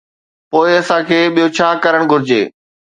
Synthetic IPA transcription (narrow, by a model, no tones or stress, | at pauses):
poːɪɐsãːkʰeːɓijot͡ɕʰaːkɐɾəɽ̃ɡʱʊɾɪd͡ʑḛː